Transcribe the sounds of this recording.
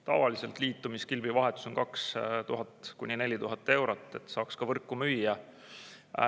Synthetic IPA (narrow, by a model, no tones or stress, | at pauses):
t̪ɑ̰vɑlise̞lt̪ˑliːt̪ːˑumiskilbivɑɦe̞t̪ːˑu̥so̞nkɑkst̪uɦɑt̪ːˑkunʲinelʲit̪uɦɑt̪ːˑe̞wɾot̪ːˑe̞t̪ːsɑːkskɑvɤrkːˑumyjːɑ